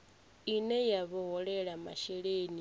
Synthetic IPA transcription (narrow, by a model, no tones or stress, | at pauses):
inɛjaβɔɦɔɺɛɺama̰ʃɛɺeni